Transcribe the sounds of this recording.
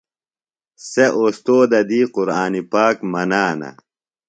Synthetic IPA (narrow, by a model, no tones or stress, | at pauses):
seʔost̪oːd̪ɐd̪iːquɾaːnipaːkmɐnaːnɐ̰